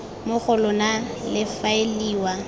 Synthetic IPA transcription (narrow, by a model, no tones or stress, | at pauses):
mʊχʊlʊnalɪfaeliːwa